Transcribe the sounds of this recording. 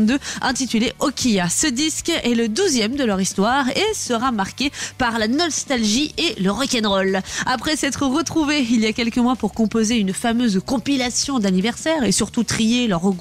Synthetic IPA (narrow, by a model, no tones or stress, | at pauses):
d̪øɛ̃t̪it̪yleʔɔkʲʰijasəd̪iskɛləd̪uzjɛmd̪əlœʁist̪waʁesəʁamaʁkʲepaʁlanɔst̪alʒiʔeləʁɔkʲɛnʁɔlapχɛsɛt̪χəʁət̪χuveiliakʲɛlkəmwapuʁkɔ̃pozeynfamøzkɔ̃pilasjɔ̃d̪anivɛʁsɛʁesyʁt̪ut̪χijelœʁɔɡ